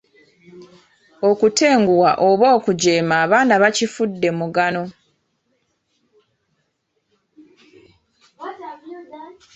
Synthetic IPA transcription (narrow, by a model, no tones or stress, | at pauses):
o̞kute̞ːŋɡuwaʔo̞βo̞ːkuɟe̞ːmaːβaːnaβacifudːe̞muɡano̞